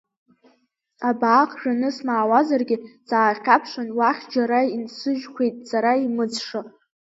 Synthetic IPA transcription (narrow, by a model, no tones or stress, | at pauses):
abaːqʼʰʒᶣanɨsmaːwazarɡʲɪt͡sʼaːχʲapʰʂʷanwaχʲd͡ʒaɾainsɨʒkʷʰejtʼsaɾaimɨd͡zʂɨ